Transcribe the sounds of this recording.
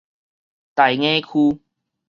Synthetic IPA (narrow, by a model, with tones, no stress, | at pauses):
t̪a˨˩jŋẽ˦kʰu˦